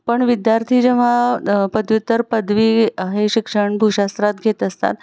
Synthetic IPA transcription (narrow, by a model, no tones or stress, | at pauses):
pəɳʋid̪jaɾt̪ʰiːd͡ʑeʋ̤apəd̪ʋjut̪ːəɾpəd̪ʋiːɦeɕikʂəɳbʱuɕast̪ɾat̪ɡʱet̪əst̪a̰t̪